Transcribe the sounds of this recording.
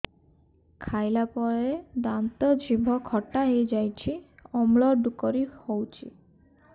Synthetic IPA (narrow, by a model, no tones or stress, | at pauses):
kʰajlapɔɾed̪ant̪ɔd͡ʒʱibʱɔkʰɔʈaɦejd͡ʒajt͡ʃʰiɔmɭɔɾd̪ukɔɾihowt͡ʃʰḭ